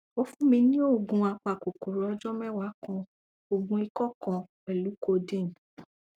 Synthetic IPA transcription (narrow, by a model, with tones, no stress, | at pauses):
o˧˦fũ˦mĩ˧nĩ˦o˦˨ɡũ˧a˧k͡pa˨ko˨ko˨ɾɔ˧d͡ʒɔ˦mɛ˦˨wa˨˦kɔ̃˧ | o˨ɡũ˧i˧kɔ˦kɔ̃˧ | ɛ˨lu˨˦ko˧dĩ˦˨